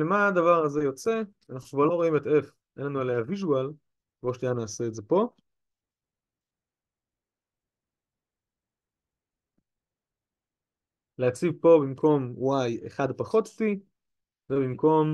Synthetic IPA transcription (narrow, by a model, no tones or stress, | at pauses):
lemaːd̪avaʁaze̞jo̞t͡se | anaχnukvaʁlo̞ʁo̞imete̞f | ʔenlanuelejhaviʒual | voʃnijanaːse̞ːtze̞po̞ | leat͡sivpo̞bimkʰo̞mwajeχad̪paχo̞t̪ti | vebimko̞m